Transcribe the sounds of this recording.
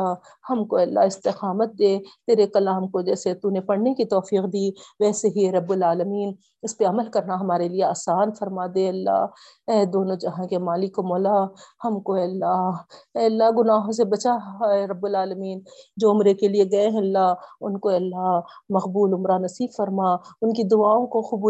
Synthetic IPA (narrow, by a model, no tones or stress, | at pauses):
a | hɐmkoɛːlːa̰ɪst̪ɪxaːmət̪̚d̪eːt̪eːɾekɐlaːmkod͡ʒɛːset̪unẽpɐɽnekit̪ɔːfiːqd̪iːʋɛːseɦiɛɾɐbːʊlaːləmiːn | ɪspeɐməlkɐɾnaɦɐmaːɾelieaːsaːnfɐɾmad̪eːɐlːa̰ː | ɛːd̪oːnõd͡ʒɐɦãkemaːlɪkomɔːlahɐmkoɛːɐlːaːɛːɐlːaɡʊnaːɦõs̬ebɐt͡ʃaɛɾɐbːʊlaːləmiːnd͡ʒoːʊmɾekelieɡɐeɦɛ̃ɐlːaːɦʊnkoɛːɐlːaɦ | mɐqbuːlʊmɾanɐsiːbfɐɾmaʊnkid̪ʊaːõkoxʊbuː